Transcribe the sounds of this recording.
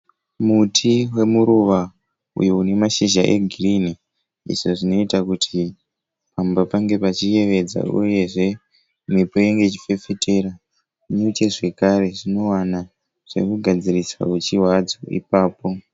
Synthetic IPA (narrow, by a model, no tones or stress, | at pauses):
mutʰiwe̞muɾuʋa | ṵjoune̞maʃiʒaʔe̞̰ɡʱirini | ḭʐoʐino̞itakutʰi | pambapaŋɡe̞pat͡ʃie̞ʋe̞d͡za̰uje̞ʐe̞ | mipo̞jeŋɡe̞t͡ʃi̥fe̞feteɾa | iɲut͡ʃe̞ʐe̞kaɾe̞ʐino̞wana | ʐ̥e̞̰kuɡʱad͡ziriswa̰ket͡ʃiwad͡zoḭpaːpo̞